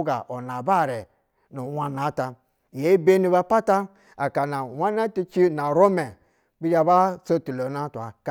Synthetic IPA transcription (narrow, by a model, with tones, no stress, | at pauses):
ɡa̰˨ʔo˨na˨ba˦˨ɾe˨ | nu˨wa˦na˨˦ta˨ | je˨˦i˦be˦ni˦ba˦pa˦ta˦ | a˨ka˨na˨wa˦na˦ti˦t͡ʃi˦na˨ɾo˦me˨ | bi˦d͡ʒa˦ba˦so˦ti˨lo˨na˦tʷa˨k